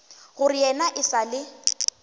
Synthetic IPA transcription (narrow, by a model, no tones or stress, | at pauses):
ɣʊrijɛnaʔɪsalɪ